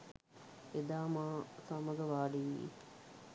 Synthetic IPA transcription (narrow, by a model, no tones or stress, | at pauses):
ed̪aːmaːsaməɡəʋaːɖiʋiḭ